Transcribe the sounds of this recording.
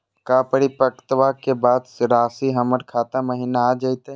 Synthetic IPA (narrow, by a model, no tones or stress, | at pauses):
kaːpəɽipəkt̪ʋakebaːd̪sɾaːsiɦɐməɾkʰaːt̪aməɦinaaːd͡ʒait̪a